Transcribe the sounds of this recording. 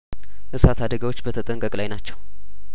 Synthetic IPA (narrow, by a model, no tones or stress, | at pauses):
ʔɨsat̪ʰad̪əɡawot͡ʃːbət̪ʰət̪ʼəŋkʼəkʼlajnat͡ʃːɛw